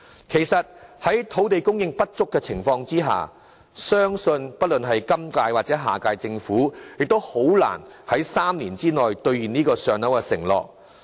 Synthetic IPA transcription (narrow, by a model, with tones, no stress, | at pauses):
kʰe˨˩jsɐ˨t̚hɐ˨˥jt̪ʰo˨˥wt̪e˨jkʊ˥ŋjɪ˧ŋpɐ˥t̚t͡sʊ˥kːɛː˧t͡sʰɪ˨˩ŋfɔː˧ŋt͡siː˥ɦa̰ː˨ | sœː˥ŋsɵ˧npɐ˥t̚lɵ˨nɦɐ˨jkɐ˥mkaː˧jwaː˨t̚t͡sɛː˨˥ɦa̰ː˨˩kaː˧jt͡sɪ˧ŋfuː˨˥jɪ˨k̚t̪o˥who˨˥wla̰ː˨˩nhɐ˨˥jsaː˥mniː˨˩nt͡siː˥ŋɔː˨˩jt̪ɵ˧ɥjyː˨˩niː˥kɔː˧sœː˨˧ŋnɐ˨˥wkɛ˧sɪ̰˨˩ŋlɔ̰ː˨k̚